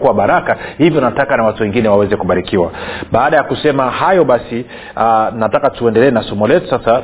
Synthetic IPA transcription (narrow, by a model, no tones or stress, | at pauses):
kuwaɓaɾakahivjɔnatakanawatuwɛŋɡinɛwawɛzɛkuɓaɾikiwa̰ɓaːɗajakusɛmahajɔɓasi | anatakatuɛndɛlɛːnasɔmɔlɛtu̥sasa